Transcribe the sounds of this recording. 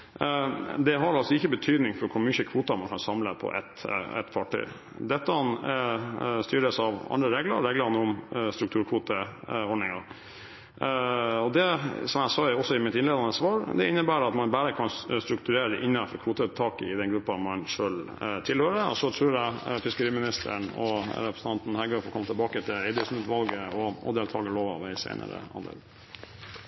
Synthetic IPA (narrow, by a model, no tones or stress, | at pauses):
d̪ɛɦɑɾɑlsɔɪçːəbət̪ʰyːd̪nɪŋfɔɾkʰʊɾmʏçəkʰʋuːt̪ɑmɑnkʰɑnsɑmləpʰɔ̰ʔɛ̰t̪ɛ̰t̪ːfɑʈy̰ː | d̪ɛt̪ːəɑn | st̪yːɾəsɑʋɑ̰nd̪ɾəɾeːɡlə̰ɾɾeːɡləɾnəʊmst̪ɾʉkt̪ʰʉːɾkʰʋuːt̪əɔɖɳnɪŋɑɾ | ɔd̪ɛsɔmjæɪsɑːɔsɔɪmɪt̪ɪnleːd̪ɑnəsʋɑːɾd̪ɛ̰ɪnːəbæːɾɑt̪mɑnbæːɾəkʰɑnst̪ɾʉkt̪ʉɾeːɾəd̪ɛʔɪnːəfɔɾkʰʋuːt̪ət̪ʰɑːkəɪd̪ɛnɡɾʉpːɑmɑnʂøːlt̪ʰɪlhøːɾəəɔsɔt̪ʰɾʉːɾæɪfɪskəɾiːmɪnɪst̪ʰə̰ɳɔ̰ɾɛpɾəsn̩ʰɑnt̪n̩hæɡəːfɔɾkʰɔmːɑt̪ʰɪlbɑːkət̪ʰɪlɛɪd̪ɪsnʉt̪ʋɑlɡəɔɔ̰d̪eːlt̪ʰɑːɡəɭoːʋɑ̰ʋæɪsæ̰ɪnə̰ɾə̰ɑ̰nd̪ə̰ɡ̪